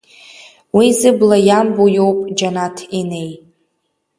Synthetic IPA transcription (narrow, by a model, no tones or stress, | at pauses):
wizɨblajambojowpʼd͡ʒanatʰine̞j